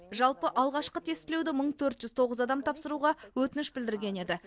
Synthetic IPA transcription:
ʒɑlˠpəʔɑlˠʁɑʃqət̪ʰe̞st̪ɪlewd̪ɪməɴt̪ʰɵɾt̪ʒʏzt̪ʰo̞ʁəzɑd̪ɑmt̪ʰɑpsəɾuʁɑwɵt̪ɪnɪʃbɪld̪ɪɾɡʲe̞ne̞d̪ɪ

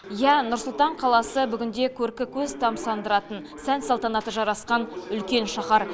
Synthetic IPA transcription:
jænʊɾsʊlˠt̪ɑɴqʰɑlˠɑsəbʏɡʲɪnd̪e̞kʲʰɵɾkʲɪkʲʰɵzt̪ʰɑmsɑnd̪əɾɑt̪ən | sænsɑlˠt̪ɑnɑt̪əʒɑɾɑsqɑnʏlkʲe̞nʃɑχɑɾ

